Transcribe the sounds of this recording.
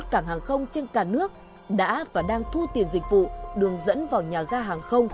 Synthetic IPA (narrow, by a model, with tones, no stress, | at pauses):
t̚kaː˧˩ŋɦaː˨˩ŋxə˧wŋ͡mt͡ɕe˧nkaː˧˩nɨ˦˥ək̚ | ɗa̰ː˧˥vaː˨˩ɗaː˧ŋt̪ʰu˧t̪i˨˩ənzï˨˩k̟̚vṵ˧˨ɗɨ˨˩əŋzə̰˧˥nvaː˨˩wɲaː˨˩ɣaː˧ɦaː˨˩ŋxə˧wŋ͡m